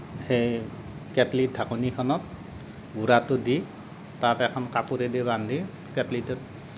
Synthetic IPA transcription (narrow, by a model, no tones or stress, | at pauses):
xej | kɛtlidʰʱakunikʰɔnɔt̚ | ɡuɾatʊdi | tatɛkʰɔnkapuɾɛdibandʱi | kɛtlitɔt